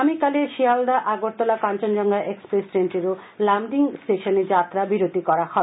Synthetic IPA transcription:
amikaleʃiald̪aʔaɡoɾt̪olakant͡ɕond͡ʑɔŋɡaʔekspɾesʈɾenʈeɾolamɖiŋsʈeʃoned͡ʑat̪ːɾabiɾot̪ikɔɾahɔ

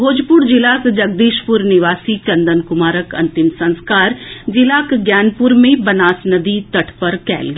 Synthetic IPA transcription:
bʱoːd͡ʒpʊɾd͡ʒɪlaːkd͡ʒɐɡ̚d̪iːʃpʊɾnɪʋaːsit͡ʃɐnd̪ənkʊmaːɾəkɐ̰̃nt̪ɪmsɐ̃nskaːɾd͡ʒɪlaːkɡjaːnpʊɾmẽbɐnaːsnəd̪it̪ɐʈʰpəɾkɛ̰ːlɡ

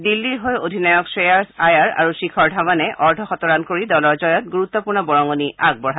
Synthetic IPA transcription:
dilːiɹɦɔjodʱinajɔksɹejaɹsajaɹa̰ɹusikʰɔɹdʱamanɛʔɔɹdʱɔxɔtɔɹankoɹidɔlɔɹzɔjɔt̚ɡuɹut̪ːɔpuɹnɔbɔɹɔŋoniaɡ̚bɔɹɦa

